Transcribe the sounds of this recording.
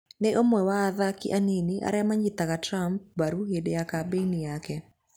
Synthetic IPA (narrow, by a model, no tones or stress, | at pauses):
neʔomwɛwaːðakḭʔaneniʔa̰ɾɛamaɲitaɣatɾamp̚baɾuhedejakabeinijakɛ